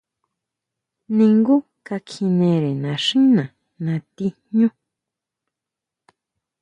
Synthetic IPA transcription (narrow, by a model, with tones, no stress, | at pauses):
nĩ˧ŋɡu˦ | ka˧kʰi˧nẽ˧ɾe˨nã˨˧ʂĩ˦nã˨ | nã˧t̪i˧ɲɲũ˦